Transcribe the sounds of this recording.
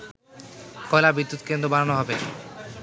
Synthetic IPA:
kɔjlabid̪ːut̪kend̪ɾoban̤anobʱabe

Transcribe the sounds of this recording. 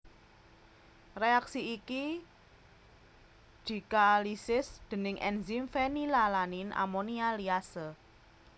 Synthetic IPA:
reaksiːki | d̥i̤kalisɪsd̪̥ə̤nɪŋʔɛ̰nzimfɛnilalaninʔa̰monialiasə

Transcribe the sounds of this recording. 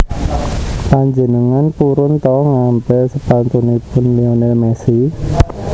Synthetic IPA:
paɲd͡ʒənəŋanpuɾʊnt̪ɔŋambɛsəpant̪unib̥ʊ̤nlionɛlmɛsi

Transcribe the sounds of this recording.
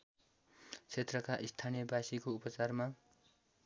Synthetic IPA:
t͡sʰet̪rʌkaʔist̪ʰanijʌbasikoupʌt͡sarma

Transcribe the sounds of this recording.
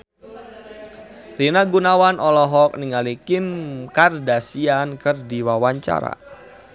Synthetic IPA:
rinaɡunawanʔɔlɔɦɔk̚niŋalikɪmkardasiankɨrdiwawaɲt͡ʃa̰ɾa̰

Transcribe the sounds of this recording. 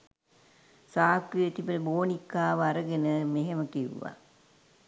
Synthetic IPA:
saːkɾiet̪ibələboːnikːaːʋaɾəɡenəmeɦeməkiʋʋa̰

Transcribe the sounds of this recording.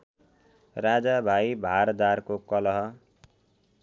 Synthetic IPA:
rad͡zabʱajbʱaɾd̪arkokʌlʌɦʌ

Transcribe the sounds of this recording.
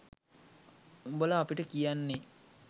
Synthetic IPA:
uboləːpiʈəkijanːe

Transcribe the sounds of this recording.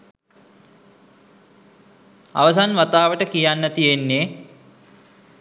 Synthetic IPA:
a̰ʋəs̬anʋat̪aːʋəʈəkijanːət̪ijenːe

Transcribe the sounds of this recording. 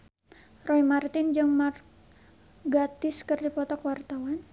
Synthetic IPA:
rɔjmart̪ɪnd͡ʒɨŋmar | ɡat̪ɪskɨrdipɔt̪ɔkwart̪awan

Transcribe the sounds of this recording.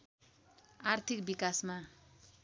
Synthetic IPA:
art̪ʰik̚bikasma

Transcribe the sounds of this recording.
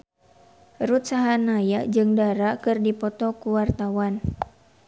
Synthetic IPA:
rut̪̚saɦanajad͡ʒɨŋdaɾakɨrdipɔt̪ɔkuwart̪awan

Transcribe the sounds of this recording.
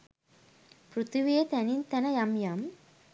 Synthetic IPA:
prut̪iʋeːt̪ænint̪ænəjamjam

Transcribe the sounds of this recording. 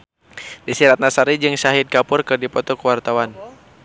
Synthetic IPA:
disiɾat̪̚nasaɾid͡ʒɨŋʃaɦid̚kapʊrkɨrdipɔt̪ɔkuwart̪awan

